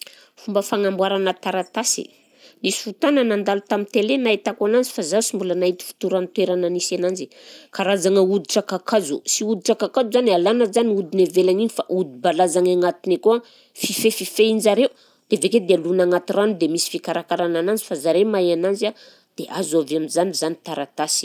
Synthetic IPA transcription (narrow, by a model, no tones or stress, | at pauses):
fumbəfaŋambwaɾanət̪aɾat̪asḭ | nisi̥fut̪anənand̪alut̪amint̪elenait̪akuanand͡zi̥fazasimbulənaɦit̪i̥fi̥t̪uɾanit̪weɾananisanand͡zi | kaɾazaŋəud̪iʈ͡ʂakakazṵsiud̪iʈ͡ʂakakazuzanialanəzaniud̪inevelaŋiɲifaʔud̪ibalazaŋaŋat̪inekua | fifefifeind͡ʒaɾeu | d̪̥eveked̪ealunaŋat̪iranud̪emisi̥fikaɾakaɾananand͡zifazaɾemajanand͡zia | d̪̥eʔazaveamizanizanit̪aɾat̪asi̥